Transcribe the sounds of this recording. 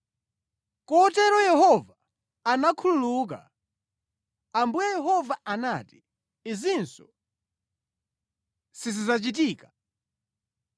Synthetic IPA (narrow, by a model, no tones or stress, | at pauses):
kɔtɛɾɔjɛhɔvaː | nakʰululuk̬a̰ | ambujɛjɛɦɔvaanati̥ | izinsɔ | sizizat͡ʃit̬iːka